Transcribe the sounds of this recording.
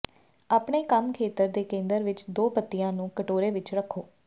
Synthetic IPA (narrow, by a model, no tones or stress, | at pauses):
aːpɳeːkəmkʰeːt̪əɾd̪eːkẽːnd̪əɾʋɪt͡ʃd̪oːpət̪ːɪjãːnũːkəʈoːɾeːʋɪt͡ʃɾəkʰːoː